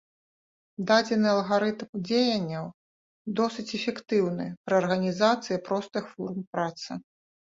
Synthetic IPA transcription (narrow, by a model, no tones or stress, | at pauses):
d̪ad͡zʲɛnɨɐlˠɣaɾɨt̪md͡zʲejɐnʲːɐw | d̪ɔsɨt͡sʲɛfʲɛkt̪ɨwnɨpɾɐɐrɣɐnʲizat̪sɨjɐpɾɔst̪ɨxfɔrmpɾat̪sɨ